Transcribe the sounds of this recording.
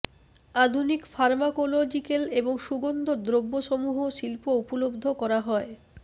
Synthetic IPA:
ad̪ʱunikfaɾmakolod͡ʑikeleboŋʃuɡond̪od̪ɾobːoʃomuɦoʃilpoupolobd̪ʱokɔɾaɦɔe

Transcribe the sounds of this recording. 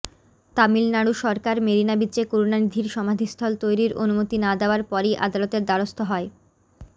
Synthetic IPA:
t̪amilnaɽuʃɔɾkaɾmeɾinabitːɕekoɾunanid̪ʱiɾʃɔmad̪ʱist̪ʰɔlt̪ojɾiɾʔo̰numot̪inad̪eoaɾpɔɾejʔa̰d̪alot̪eɾd̪aɽost̪ʰoɦɔe

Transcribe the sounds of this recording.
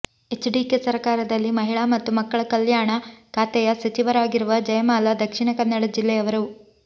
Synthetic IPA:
e̞t͡ʃɖiːkesɐɾkaːɾɐd̪ɐlːimɐɦiɭamɐt̪ːumɐkːɐɭɐkɐljaːɳɐkʰaːt̪ɛjɐsɐt͡ʃiʋɐɾaːɡiɾuʋɐd͡ʒɐjɐmaːlad̪ɐkʂiɳɐkɐnːɐɽɐd͡ʒilːɛjɐʋɐɾɐu

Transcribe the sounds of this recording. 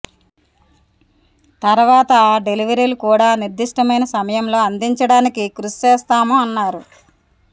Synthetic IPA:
t̪ɐɾʋaːt̪ɐɖe̞liʋɐɾiːlukuːɽaːniɾd̪iʂʈɐmɐjnɐsɐmɐjɐmlo̞ːɐnd̪iɲt͡ʃɐɽaːnikikɾusi̥t͡ʃeːst̪aːmoːɐnːaːɾu

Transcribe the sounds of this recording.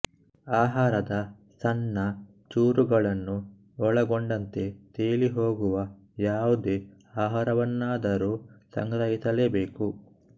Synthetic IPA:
aːɦaːɾɐd̪ɐ | sɐnːɐ | t͡ʃuːɾuɡɐɭɐnːu | ɔɭɐɡoɳɖɐnt̪e̞t̪eːliɦo̞ːɡuʋɐ | jaːʋud̪e̞ | aːɦaːɾɐʋɐnːaːd̪ɐɾuːsɐ̰ŋɡɾɐjit̪ɐleːbeːku

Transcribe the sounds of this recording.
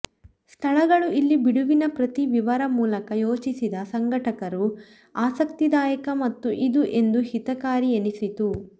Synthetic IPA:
st̪ʰɐɭɐɡɐɭuʔilːibiɽuʋinɐpɾɐt̪iʋiʋɐɾɐmuːlɐkɐjoːt͡ʃisid̪ɐsɐŋɡɐʈɐkɐɾu | aːsɐk̚t̪id̪aːjɐkɐmɐt̪ːuʔid̪uʔe̞nd̪uɦit̪ɐkaːɾienisit̪u

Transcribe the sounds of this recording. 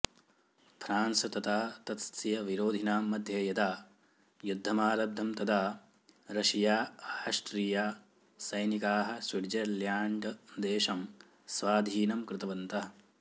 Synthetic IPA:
fʰɾaːnsɐt̪ɐt̪aːɐt̪ɐt̪st̪ijɐʋiɾoːd̪ʱinaːmːɐd̪ʱjeːjɐd̪aː | jud̪ʱːɐmaːlɐb̚d̪ʱɐmt̪ɐd̪aː | ɾɐʃijaːʂʈɾiːjaː | sɐjnikaːɦɐ̆sʋiɽd͡ʒɐljaːɳɖd̪eːʃɐm | sʋaːd̪ʱiːnɐmkɾɪt̪ɐʋɐnt̪ɐɦɐ

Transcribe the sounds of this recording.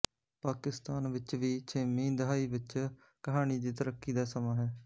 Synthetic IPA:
paːkɪst̪aːnʋɪt͡ʃʋiːt͡ʃʰeːmĩːd̪əɦaːiːʋɪt͡ʃ | kəɦaːniːd͡ʒ̪iːt̪əɾəkːiːd̪aːsəmãːɦɛː

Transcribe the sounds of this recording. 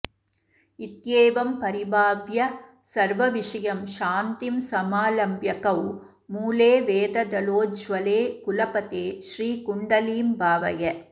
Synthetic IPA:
ɪt̪jeːʋɐmpɐɾɪbaːʋjɐ | sɐɾʋɐʋɪʂɐjɐmʃaːnt̪ɪmsɐmaːlɐmbjɐkɐw | muːleːʋeːd̪ɐd̪ɐloːd͡ʒʋɐleːkʊlɐpɐt̪eːʃriːkʊɳɖɐliːmbaːʋɐjɐ

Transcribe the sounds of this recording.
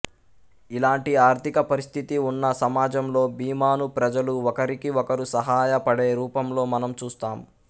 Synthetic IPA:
ilaːɳʈiaːɾt̪ʰikɐpɐɾist̪ʰit̪iunːɐsɐmaːd͡ʒɐmlo̞ːbiːmaːnupɾɐd͡ʒɐluɔkɐɾikiɔkɐɾusɐɦaːjɐpɐɽeːɾuːpɐmlo̞ːmɐnɐmt͡ʃuːst̪aːm

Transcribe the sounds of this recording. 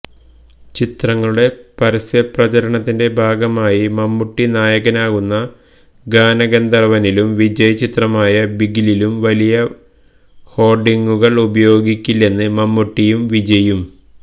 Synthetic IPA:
t͡ɕit̪rɐŋːɐɭuɽe̞pɐɾɐsjɐprɐt͡ɕɐɾɐɳɐt̪ːinde̞bʱaːɡɐmaːjimɐmːuʈːinaːjɐɣɐnaːɣunːɐ | ɡaːnɐɣɐnd̪ɐrɐʋɐnilumʋid͡ʑɐjɐt͡ɕit̪rɐmaːjɐbiɡililumʋɐlijɐ | ho̞ːrɖiŋɡuɣɐɭubɐjo̞ːɡikʲːilːe̞nːɨmɐmːuʈːijumʋid͡ʑɐjum

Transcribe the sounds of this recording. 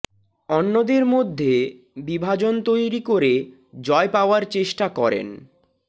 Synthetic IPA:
ɔnːod̪eɾmod̪ʱːe | bibʱad͡ʑont̪ojɾikoɾe | d͡ʑɔepaoaɾt͡ɕeʃʈakɔɾḛn

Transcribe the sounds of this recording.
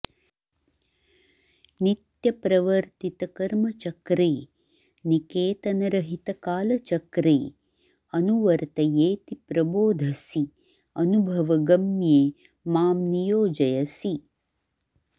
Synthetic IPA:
nit̪jɐpɾɐʋɐɾt̪it̪ɐkɐɾmɐt͡ʃɐkɾeː | nikeːt̪ɐnɐɾɐɦit̪ɐkaːlɐt͡ʃɐkɾḛː | ɐnuʋɐɾt̪ɐjeːt̪ipɾɐboːd̪ʱɐsi | ɐnubʱɐʋɐɡɐmjeː | maːmnijoːd͡ʒɐjɐsi

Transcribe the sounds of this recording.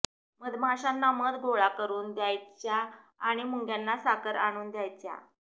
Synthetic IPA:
məd̪maɕanːaməd̪ɡoɭakəɾuːnd̪jajt͡ɕjaːɽ̃imuŋɡjanːasakəɾaɽ̃uːnd̪jajt͡ɕja̰

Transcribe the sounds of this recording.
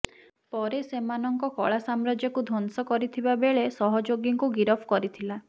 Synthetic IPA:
pɔɾesemanɔŋkɔkɔ̰ɭasamɾad͡ʒjɔkud̪ʱɔnsɔkɔɾit̪ʰibabeɭesɔɦɔd͡ʒoɡjɔŋkuɡiɾɔpʰkɔɾit̪ʰila

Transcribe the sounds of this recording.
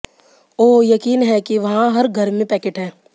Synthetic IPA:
oːjɐkiːnɦɛkiʋɐɦãɦɐɾɡʱɐɾmẽpɛːkeːʈɦɛː

